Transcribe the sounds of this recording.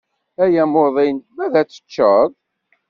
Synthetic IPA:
æjæmoðˤinmæðæt͡sːə̥t͡ʃːəðˤ

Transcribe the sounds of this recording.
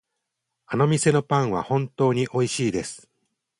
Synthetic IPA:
ano̞mʲise̞no̞pãɰ̃βa̰hõ̞nt̪o̞ːɲ̟iʔo̞iɕiːd̪e̞sɨ̥

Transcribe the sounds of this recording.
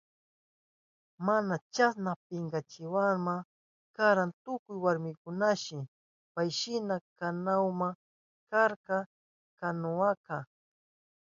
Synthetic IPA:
manat͡ʃasnap̚ɪŋɡat͡ʃɪwama | kaɾant̪ʊkʊjwaɾmɪkʊnaʃɪ | pajʃɪnakanawma | kaɾka | kanʊaka

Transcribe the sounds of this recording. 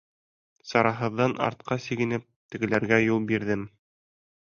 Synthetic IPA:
sɑɾɑɦɤ̆ðːɑnʔɑ̰ɾt̪̚qɑsiɡɘ̆nɘp̚t̪ɘ̆ɡɘ̆læɾɡæjulˠbiɾðɘm

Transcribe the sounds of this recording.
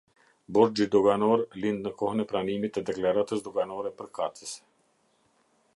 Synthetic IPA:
bɔɾd͡ʒid̪ɔɡanɔɾlind̪nəkɔhənɛpɾanimit̪ɛd̪ɛklaɾat̪əsd̪ɔɡanɔɾɛpəɾkat̪əs

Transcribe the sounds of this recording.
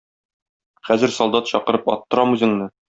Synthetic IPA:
χæzɘ̆ɾsɒlˠd̪ɑt̪ɕɒqɤ̆ɾɤpɒ̰t̪ːɤ̆ɾɑmʉzɘ̆ŋnɘ

